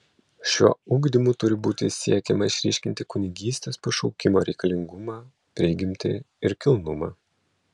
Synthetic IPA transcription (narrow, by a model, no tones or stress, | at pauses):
ʃʲuɔuːɡd̪ʲimuːt̪ʊɾʲɪbuːt̪ʲɪsʲiɛkʲɛmɐɪʃʲɾʲiːʃʲkʲɪnʲt̪ʲɪkʊnʲɪɡʲiːsʲt̪ʲeːspɐʃɔʊkʲɪmoːɾʲɛɪkɐlʲɪŋɡʊmɑː | pʲɾʲɪɡʲɪmʲt̪ʲɪ̰ | ɪɾkʲɪlˠnʊmɑː